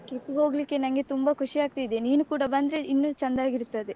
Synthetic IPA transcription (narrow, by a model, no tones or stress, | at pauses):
ʈekːuɡɦoːɡɐlikːe̞nɐŋɡe̞t̪umbɐkʰuʂiaːɡ̚t̪ijd̪eniːnukuːɽɐbɐnd̪ɾe̞inːut͡ʃɐnd̪aːɡiɾut̪ːɐd̪e